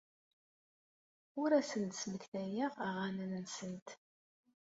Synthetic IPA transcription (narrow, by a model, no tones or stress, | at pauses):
ʊɾæsənt̪sməçθæjiʁæʁanənənsənt̪